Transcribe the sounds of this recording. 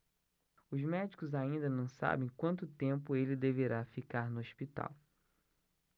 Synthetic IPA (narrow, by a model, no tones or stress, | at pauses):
ʊzmɛd͡ʒikʊzaĩnd̪ɐnɐ̃w̃sa̰bẽj̃kwɐ̃nt̪ʊt̪ẽmpʊelɪd̪eveɾafikaɾnʊosʃpit̪a̰w